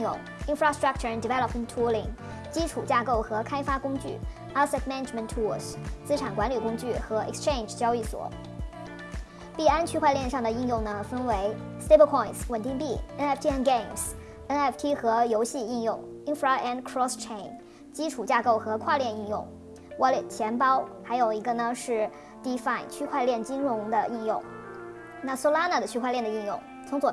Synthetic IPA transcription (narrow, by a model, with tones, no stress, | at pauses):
jʊ̰˥˩ŋ | i˥nfɹa˥st̪ɹa˥k̚ʈ͡ʂʰə˞˨˩˨nd̪i˨˩vɛ˥lə˧pmə̃˨ntʰu˥li˧˩ŋ | t͡ɕi˥ʈ͡ʂʰu˨˩t͡ɕja˥˧ko˥˩ʊxɤ˧˥kʰa˥ɪfa˥kʊ˥ŋt͡ɕy̰˥˩ | a˥sɛ˥tmɛ˥nə˨˩mə̃˨ntʰu˥st͡sɹ̩˥ʈ͡ʂʰa˨˩nkwa˧˥nly˨˩kʊ˥ŋt͡ɕy˥˩xɤ˧˥ʔɛ̰˨˩kst͡ʃʰe˥˧ɪnd͡ʒt͡ɕjɑ˥ʊy˥˩swɔ̰˨˩˦ | pi˥˩a˥nt͡ɕʰy˥˧xwa˧ɪljɛ˥˧nʂɑ˥˩ŋd̪ə˩i˥˧njʊ˥˩ŋnə˩fə˥nwe˧˥ɪst̪e˥˧˩pə˥kʰɔ˥˩ɪnswə˨˩nt̪i˥˧ŋpi˥˩ɛ˥nɛ˥˩ft̪ʰi˥ɛ˥nɡe˥˩ɪms | ɛ˥nɛ˥˩ft̪ʰi˥xɤ˧˥jo˧˥ʊɕi˥˧i˥˧njʊ˥˩ŋi˥nfɹa˧ʔɛ˥˩nkʰɹɔ˥st͡ʃʰe˥˩ɪ̃n | t͡ɕi˥ʈ͡ʂʰu˨˩t͡ɕja˥˧ko˥˩ʊxɤ˧˥kʰwa˥˧ljɛ˥˧ni˥˧njʊ̰˥˩ŋ | wɔ˧˥lt͡ɕʰjɛ˧˥npɑ˥ʊxa˧˥ɪjo˨˩ʊi˧˥ɡə˧nə˩ʂɻ̩˥˩ | t̪i˥fa˥˩ɪnt͡ɕʰy˥kʰwa˥˧ɪljɛ˥˩nt͡ɕi˥ŋɻʊ˧˥ŋd̪ə˧ʔi˥˧njʊ˥˩ŋ | na˥˩so˥ʊla˥na˥˩d̪ə˩t͡ɕʰy˥kwa˥˧ljɛ˥˩nd̪ə˩i˥˧njʊ˥˩ŋ | t͡sʰʊ˧˥ŋswɔ˨˩